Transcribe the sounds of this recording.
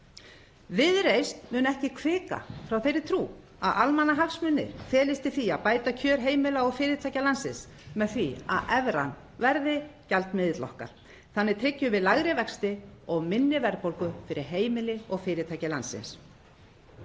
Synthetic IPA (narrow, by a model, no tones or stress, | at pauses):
vɪðɾejst̪mʏːnɛhcɪkʰvɪːka̰fɾawθejɾɪt̪ʰɾuː | a̰ðʔalmanːaɦafsmʏnːɪ̰ɾ̥fɛːlɪst̪ɪθiapaːjt̪acʰœːɾ̥ɦeːjmɪlaɔɣfɪːɾɪt̪ʰajcalansɪns | mɛðθvia̰ðɛvɾa̰n | vɛɾðɪcalt̪mɪðɪt̪lɔ̰hka̰ɾ̥ | θanːɪt̪ʰɾɪcːʏvɪðlaɣɾɪvɛkst̪ɪɔɣmɪnːɪvɛɾpowlkʏfɪɾɪɾɦeːjmɪlɪɔɣfɪːɾɪt̪ʰajcɪlansɪ̰ns